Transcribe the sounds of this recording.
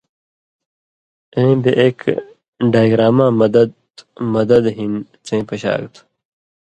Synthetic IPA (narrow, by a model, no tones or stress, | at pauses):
ẽbeʔeːk | ɖaːjɡɾaːmãːmɐd̪ɐd̪ | mɐd̪ɐd̪ɦin | t͡sẽːpɐɕa̰ːɡt̪ʰu̥